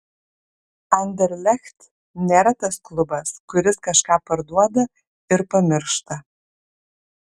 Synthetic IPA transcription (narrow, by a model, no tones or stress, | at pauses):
ɐnʲd̪ʲɛɾʲlʲɛxʲt̪ | nʲeːɾɐt̪ɐsklˠʊbɐskʊɾʲɪskɐʃkɑːpɐɾd̪uɔd̪ɐ | ɪɾpɐmʲɪɾʃt̪ɐ